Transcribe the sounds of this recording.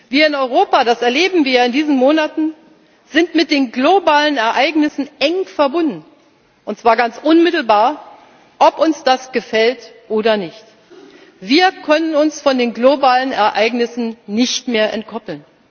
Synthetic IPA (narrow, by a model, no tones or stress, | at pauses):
viːɐɪnɔʏʁ̞oːpadasɛɐleːbm̩viːɐɪndiːzn̩moːnatn̩ | z̥ɪntmɪt̚d̥eːnɡlobaːlənɛɐʔaɪɡnɪsn̩ʔɛŋfɛɐbʊndn̩ | ʔʊntt͡sv̥aːɐɡant͡sʔʊnmɪtl̩baːɐ | ʔɔpʔʊnsd̥asɡ̥əfɛltʔoːdɐnɪçt | viːɐkʰœnənʊnsfɔndeːnɡlobaːlənɛ̰ɐʔa̰ɪɡnɪsn̩nɪçtmeːɐʔɛ̰nt̚kʰɔpl̩n